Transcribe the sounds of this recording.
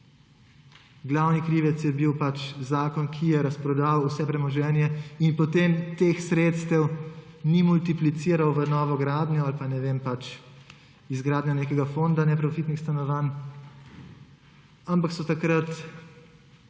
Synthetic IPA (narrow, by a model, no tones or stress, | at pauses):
ɡlawnikɾiːʋɛt̪sjɛbiwpat͡ʃzaːkɔnkʰijɛɾɐspɾɔd̪awusɛpɾɛmɔʒɛːnjɛinpɔt̪emt̪exsɾeːt̪st̪ɛw | nimult̪iplit̪siːɾawʋənɔːʋɔɡɾaːd̪njɔalpanɛʋeːmpat͡ʃ | izɡɾaːd̪njaneːkɛɡafond̪anɛpɾɔfiːt̪nixst̪anɔʋaːn | ampaksɔt̪akɾat̪